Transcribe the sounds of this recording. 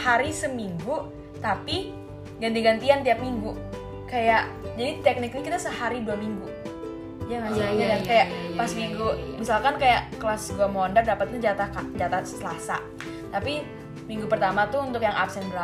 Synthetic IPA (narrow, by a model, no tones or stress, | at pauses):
haɾisəmiŋɡu | t̪api | ɡantdiɡant̪iant̪iap̚miŋɡu | kajaʔd͡ʒadit̪ɛk̚nɪk̚ɲakit̪asəhaɾiduamiŋɡu | d͡ʒaŋasaaɲadankajaʔpasiŋɡumisalkankajaʔkəlasɡuamandardapat̪̚ɲad͡ʒat̪akad͡ʒat̪assəlasa̰ | t̪api | miŋɡupərt̪amat̪ʊunt̪ʊkjaŋʔapsɛnbɾa